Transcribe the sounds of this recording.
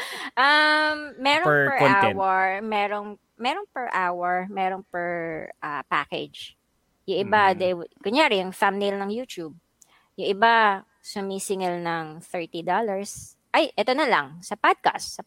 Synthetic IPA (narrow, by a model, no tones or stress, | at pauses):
ʔɐmːɛɾopɛɹaɛwɐɹmɛːɾoŋ | mɛːɾoŋpɛɹʔawɐɹmɛːɾoŋpɛɹʔɐpa̰kɛ̰d͡ʒ | jʊŋʔɪbad̪ɛɡʊɲjaːɾɪjʊŋfamnelnɐŋjuːt̪ub̚ | jʊŋʔɪba | sʊmisɪŋɛlnɐŋθɛɹt̪id̪olɐɹs | ʔɐjʔɛt̪onɐlɐŋsɐpad̪̚ka̰st̪sɐ